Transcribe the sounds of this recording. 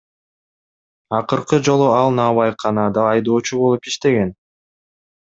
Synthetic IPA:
ɑqɯɾqɯd͡ʒo̞lˠuɑlˠnɑːβɑjqʰɑnɑd̪ɑːjd̪o̞ːt͡ʃubo̞lˠupiʃt̪e̞ɡe̞n

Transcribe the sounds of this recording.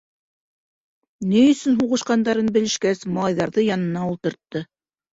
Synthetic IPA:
nijɵ̆sɵnɦuʁɤ̆ʃqɑnd̪ɑɾɤnbɘ̆lɘ̆ʃkæsmɑlˠɑjðɑɾðɤjɑnɤ̆nɑulˠt̪ɤ̆ɾt̪ːɤ

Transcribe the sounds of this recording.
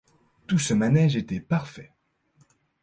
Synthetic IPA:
t̪usəmanɛʒet̪ɛpaʁfɛ

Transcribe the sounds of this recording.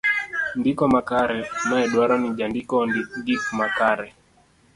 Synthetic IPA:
ndikɔmakaɾɛnaɛɗwaɾɔnid͡ʒandikɔɡifumakaɾɛ

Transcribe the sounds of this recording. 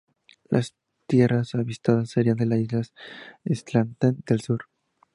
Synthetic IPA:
lʔa̰s | t̪je̞rasaβist̪aðasːeɾiand̪elasizlasest̪lant̪and̪elsuɾ

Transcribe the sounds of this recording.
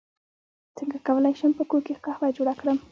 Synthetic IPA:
t͡səŋɡakawəlajʃəmpəkokexkahbajd͡ʒoɽakɽəm

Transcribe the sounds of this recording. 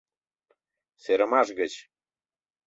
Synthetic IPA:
seɾə̆mɑʃɡət͡ɕ

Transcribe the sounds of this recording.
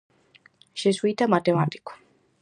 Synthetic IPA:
ʃɛswit̪ʰamat̪ɛmat̪ʼi̥kʰɔ̥

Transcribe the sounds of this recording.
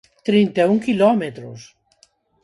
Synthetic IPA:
t̪ɾint̪euŋkilɔmet̪ɾo̰s

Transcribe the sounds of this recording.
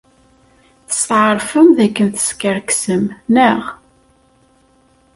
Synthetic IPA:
θə̥st̪ʕəɾˤfəmðækːənθə̥skəɾksəmnəʁ

